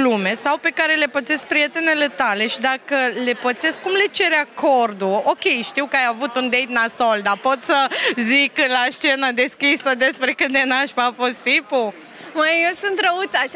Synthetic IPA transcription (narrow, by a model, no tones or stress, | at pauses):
lume̞sawpe̞kaɾe̞le̞pət̪sesk̚pɾije̞t̪e̞ne̞le̞t̪ale̞ʃid̪akəle̞pət̪seskkumle̞t͡ʃe̞ɾeakʰo̞rd̪uokʲe̞jʃt̪iwkəajavut̪und̪ejt̪nasold̪apo̞t̪səziklast͡ʃe̞nəd̪e̞skʲisəd̪e̞spɾe̞kɨt̪d̪enaʃpafo̞st̪t̪impu | məjewsunt̪ɾəut̪saʃ